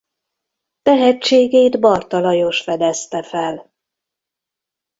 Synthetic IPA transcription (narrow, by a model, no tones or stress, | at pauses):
t̪ɛɦɛt͡ʃːeːɡeːjd̪bɒrt̪ɒlɒjo̞ʃfɛd̪ɛst̪ɛfɛl